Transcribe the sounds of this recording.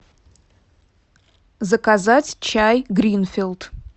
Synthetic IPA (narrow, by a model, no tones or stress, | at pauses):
zɐkazatʲt͡ʃʰajɡɾʲinfʲilˠd